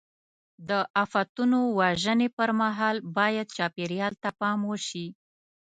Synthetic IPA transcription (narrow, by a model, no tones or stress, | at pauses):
d̪əʔafat̪unowaʒənepəɾmaɦɑlbɑjad̪̚t͡ʃɑpeɾjɑlt̪apɑmwəʃi